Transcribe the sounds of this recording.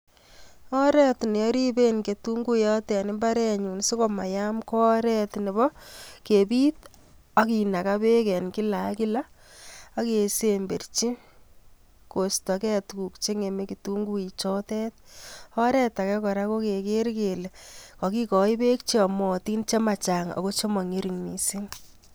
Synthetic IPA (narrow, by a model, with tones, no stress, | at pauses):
ɔ˦ɾɛ˦tnɛ˨jɔ˦ɾi˦be˦nke˨tu˦ŋɡu˦jɔ˦tɛ˨nɪ˦mba˦ɾɛ˦ɲu˨nsi˦ko˨ma˨ja˦mkɔ˦ɾɛ˦tne˨bɔ˦ke˨bi˦t̚ | a˦ki˨na˨ka˦be˦kɛ˨nki˦la˨ki˦la˦ | a˦ke˨se˦mbe˨rt͡ʃi˦ | ko˨stɔ˨kɛ˦tku˨kt͡ʃe˦ŋe˨me˦kitu˦ŋɡu˦i˨t͡ʃɔ˦tɛ˦t̚ɔ˦ɾɛ˦ta˨kɛ˦kɔ˨ɾa˦ko˦ke˨ke˦ɾke˨le˨kɔ˨ki˦kɔ˨i˦be˦k̚t͡ʃe˦ɔ˨mɔ˨ti˦nt͡ʃe˦ma˨t͡ʃa˨ŋɔ̰˨ko˦t͡ʃo˦mɔ˨ŋe˦ɾi˨ŋmi˨si˦ŋ